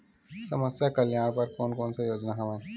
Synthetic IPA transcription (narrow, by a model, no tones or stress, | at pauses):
sɐməsjakɐljaːɽ̃pɐɾkoːnkoːnsejoːd͡ʒnaɦɐmẽː